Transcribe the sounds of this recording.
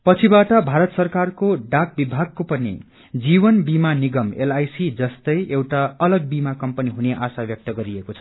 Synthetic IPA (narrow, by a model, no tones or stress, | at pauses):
pʌt͡sʰibaʈʌbʱaɾʌt̪sʌrkarkoɖak̚bibʱaɡ̚kopʌnḭ | d͡zibʌnbimaniɡʌmḛlajsid͡zʌst̪ʌjʔewʈaʌlʌɡ̚bimakʌmpʌniɦuneʔasabjʌk̚t̪ʌɡʌɾiekot͡sʰʌ̥